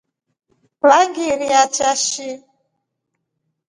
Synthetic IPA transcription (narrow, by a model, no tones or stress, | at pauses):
βaŋɡiɾiat͡ʃaʃi